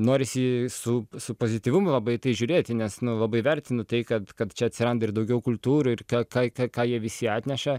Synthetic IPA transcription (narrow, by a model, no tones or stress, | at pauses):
noːɾʲɪsʲɪsʊsʊpoːzʲɪt̪ʲiːʋʊmʊlˠɐbɐɪt̪ɐɪʒʲʊːɾʲeːt̪ʲɪnʲɛsnʊlˠɐbɐɪʋʲɛɾʲt̪ʲɪnʊt̪ɐɪkɐt̪kɐt̪t͡ʃʲɛɐt̪ʲsʲɪɾɐnd̪ɐɪrd̪ɐʊɡʲɛʊkʊlʲˠt̪uːɾʊɪrkɑːkɑːkɐkɑːjiɛʋʲɪsʲɪɑːt̪ʲnʲɛʃɐ